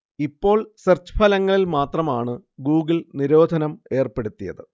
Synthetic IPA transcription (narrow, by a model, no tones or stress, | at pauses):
ipːo̞ːɭsɐrt͡ɕpʰɐlɐŋːɐɭilmaːt̪rɐmaːɳɨɡuːɡɨlniɾo̞ːd̪ʱɐnɐme̞ːrpe̞ɽut̪ːijɐ̰ðɨ